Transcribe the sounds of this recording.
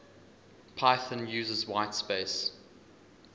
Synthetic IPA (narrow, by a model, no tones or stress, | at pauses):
pʰaɪθə̃njʉːzəzwaɪtspeɪs